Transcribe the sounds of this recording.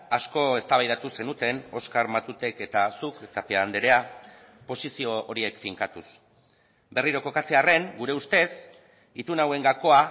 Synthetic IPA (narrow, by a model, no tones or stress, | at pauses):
asko̞e̞st̪aβajðat̪use̞nut̪e̞no̞skaɾmat̪ut̪eke̞t̪asuket̪apeaːnd̪eɾe̞a | po̞sisio̞oɾie̞kfiŋkat̪us | be̞riɾo̞ko̞kat͡se̞are̞ŋɡuɾe̞ust̪e̞s | it̪unawe̞ŋɡako̞a